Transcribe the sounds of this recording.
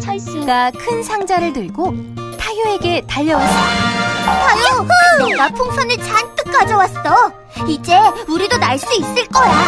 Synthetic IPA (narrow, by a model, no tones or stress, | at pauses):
t͡ɕʰajs͈iɡakʰɯnsʰaŋd͡ʑaɾɯɭtɯɭɡo | tʰajoe̞ɡe̞taʎːʌwaa | pʰanoʌɡapʰoŋsʰʌnɯt͡ɕant͈ɯk͈ad͡ʑʌwas͈ʌ | id͡ʑe̞uɾidonaɭs͈uis͈ɯɭk͈ʌja